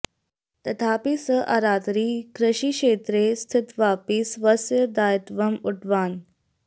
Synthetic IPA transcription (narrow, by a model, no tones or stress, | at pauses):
t̪ɐt̪ʰaːpisəʔɐɾaːt̪ɾiːkɾɐɕiːkʂeːt̪ɾeːst̪ʰɪt̪ʋaːpisʋɐsjəd̪aːjit̪ʋɐmuʈʋaːn